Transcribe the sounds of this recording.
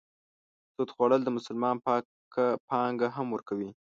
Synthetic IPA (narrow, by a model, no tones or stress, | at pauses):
t̪ot̪xwaɽəld̪əmʊsʊlmɑnpɑ | pɑŋɡaɦamwəɾkawi